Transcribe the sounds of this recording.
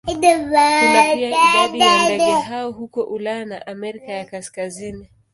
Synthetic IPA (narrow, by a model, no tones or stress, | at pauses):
idabaadadaɦaɔɦukɔʔulaanaʔamɛɾikajakaskazini